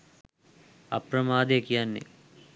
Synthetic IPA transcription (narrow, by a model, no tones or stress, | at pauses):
ɐ̰prɐmaːd̪ejəkijanːḛ